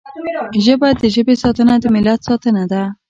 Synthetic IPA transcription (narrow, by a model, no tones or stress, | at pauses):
ʒəbajad̪ːəʒəbesɑt̪ənad̪əmɪlat̪sɑt̪ənad̪a